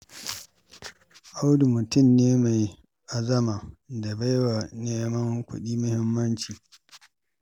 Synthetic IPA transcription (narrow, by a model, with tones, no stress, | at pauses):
ʔa˦wdu˨mʊ˨tʊ˦˨mneː˦ma˨j | ʔa˨zɐ˦ma˨da˨ba˦jwa˨neː˦mɐ˦ŋkʷʊ̰˦ɗiː˦mʊ˦hɪ˦mːɐ˦nt͡ʃiː˨